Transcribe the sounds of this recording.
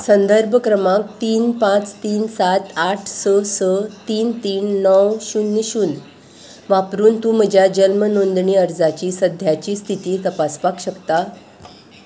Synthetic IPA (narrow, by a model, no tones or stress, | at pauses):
sənd̪əɾbʱəkɾəmak̚t̪iːnpãt͡st̪iːnsat̪aʈʰsəsət̪iːnt̪iːnːɔwɕuːnːiɕuːn | ʋapɾuːnt̪ũm̤əd͡ʑʱjad͡ʑəlmənond̪ɳiːəɾd͡zat͡ɕiːsəd̪ʱjat͡ɕiːst̪ʰit̪iːt̪əpaspakɕəkt̪a